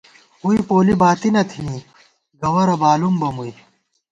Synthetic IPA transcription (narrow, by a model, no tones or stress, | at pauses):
ɦuipoːlibaːt̪inɐt̪ʰĩː | ɡɐwɐɾɐbaːlumbɐmui